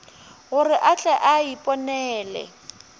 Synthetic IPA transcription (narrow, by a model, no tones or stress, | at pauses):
ɣʊrɪʔat͡ɬʼɛʔaipʼɔnɛːlɛ̰